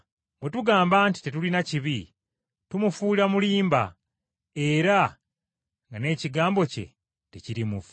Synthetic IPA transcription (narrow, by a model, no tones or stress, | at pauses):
we̞tuɡaːmbaːnti̥te̞tulinaciβi | tumufuːliɾamuliːmba̰ | e̞ɾa | ŋɡane̞ːciɡaːmbo̞ce̞̰ | teciɾimufu